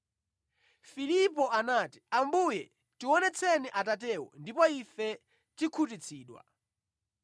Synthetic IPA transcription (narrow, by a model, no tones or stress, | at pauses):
filipɔanaːti̥ambujɛ | tiwɔnɛt͡sʰɛniʔatat̬ɛwɔ̰ndipɔifɛ | tikʰutit͡sʰiːɗwa̰